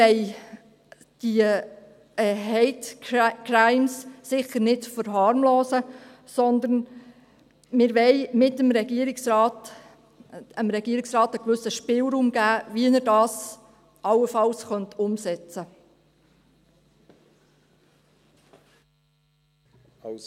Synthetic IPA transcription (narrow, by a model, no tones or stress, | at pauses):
ɛɪ | d̥i | ɛɦɛɪtkɾaɪmsːɪχəɾnɪtfəɾɦɑːɾmloːsə | sɔnd̪ən | mɪɾʋɛɪmɪtəmɾɛɡiəɾɪksɑːt | əmɾɛɡiːəɾɪksrɑːtəkʋʏsəʃpɪlɾuːmɡæːviənəɾdɑːs | ʔɑlːəfɑlsχœntʰʊmsɛt͡sə